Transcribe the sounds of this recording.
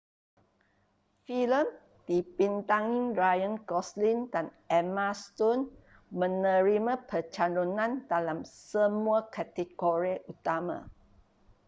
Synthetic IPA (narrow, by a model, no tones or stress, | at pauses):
filəm | d̥ipint̪aŋĩŋɹajə̃nkɔslindan | ɛmast̪ɔn | mə̃nə̃ɾimãpət͡ʃalonãndalamsəmuakat̪ikɔɹeʔut̪amã̰